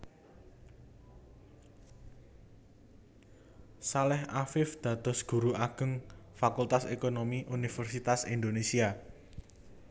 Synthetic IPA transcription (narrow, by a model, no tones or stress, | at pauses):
salɛhafɪfd̪̥ä̤d̪̥ɔ̤sɡ̥ṳɾuʔaɡ̥ə̤ŋfakult̪asekonomiʔunifɛrsit̪asḭnd̪onesia